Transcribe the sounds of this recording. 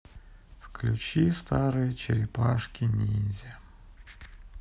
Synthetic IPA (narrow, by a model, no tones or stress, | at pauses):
fklʲʊt͡ɕist̪aɾɨjət͡ɕɪɾʲɪpaʂkʲinʲizʲɪ